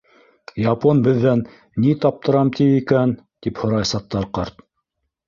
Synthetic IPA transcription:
jɑponbɘ̆ðːænː | it̪ɑp̚t̪ɤ̆ɾɑmt̪ʰiikæn | t̪iphŏɾɑjsɑt̪ːɑɾqɑɾt̪

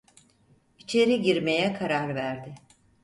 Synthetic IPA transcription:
it͡ʃʰeɾiɟiɾme̞jɛkʰaɾaɾvæɾd̪ɪ

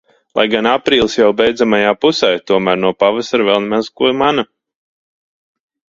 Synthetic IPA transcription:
lˠa̰jɡanapɾiːlˠsjawbejd̪zamajaːpusɛjt̪uɔmæːɾnuɔpavasaɾvɛlˠnmazkuɔmana

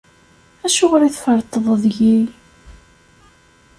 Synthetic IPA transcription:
æʃuʁɾiθfəɾˤt̪ˤːəðˤəðʝij

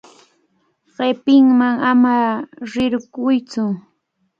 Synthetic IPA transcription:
ɢepɪŋmaŋamaɾɪɾɢʊjt͡sʊ

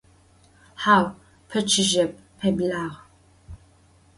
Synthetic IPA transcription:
ħaːw | pʰɐt͡ʃʰɪʒɐp̚pʰeblaːʁ

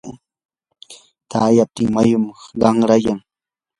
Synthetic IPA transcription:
t̪ʰaːjap̚t̪ɪŋmajʊmɢɑŋɾajaŋ

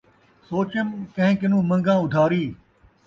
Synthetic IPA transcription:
soːt͡ɕəmkɐ̃ɦɪ̃kɪnũːmɐ̃ŋɡãːʊd̪ʱaːɾiː

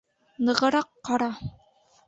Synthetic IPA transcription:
nɤ̆ʁɤ̆ɾɑqːɑɾɑ

